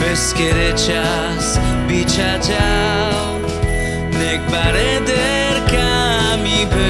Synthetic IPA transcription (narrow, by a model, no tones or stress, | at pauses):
eskeɾet͡ʃʰa | sbit͡ʃʰad͡ʒa | ww | nek̚baɾɛ | d̪ɛ | ɾkamipʰe